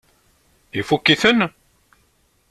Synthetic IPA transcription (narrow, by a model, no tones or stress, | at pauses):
ifukːiθən